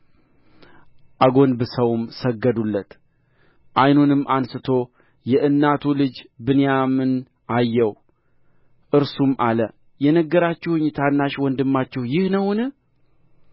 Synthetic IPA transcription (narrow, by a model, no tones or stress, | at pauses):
ʔaɡo̞nbɨsəwmsəɡːəd̪ulːət̪ | ʔajnunɨmʔansɨt̪ʰo̞ | jɛʔɨnːat̪ʰulɨd͡ʒbɨnejamɨn | ajːɛw | ʔɨɾsumʔalə | jɛnəɡːəɾat͡ʃːɪhʊɲːt̪ʰanːaʃwɔnd̪ɨmːat͡ʃːɪhjɪhnəwnɨ